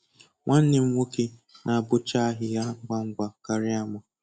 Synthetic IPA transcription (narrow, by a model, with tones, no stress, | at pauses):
ŋʷa˦n̩˦nɪ˨m̩˦wʷo˦ke˦nʔa˨a˨bʊ˦t͡ʃa˦ɦɪ˨ja˦ɡ͡bʷa˦ŋ̩˦ɡʷa˨ka˨ɾɪ˦a˨mʊ˨